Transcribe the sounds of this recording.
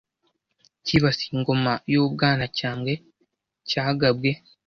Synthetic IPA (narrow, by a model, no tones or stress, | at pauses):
ciβasi̥ːŋɡo̞majoːβɡaːnacaːmwe̞ | caːɡabɡe̞